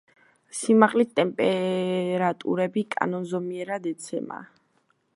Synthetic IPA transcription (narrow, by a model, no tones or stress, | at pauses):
simaqʼlist̪ʼɛmpʼɛɾat̪ʼṵɾɛbikʼa̰nɔnzɔmiɛɾad̪ɛt̪sʰɛ̰ma̰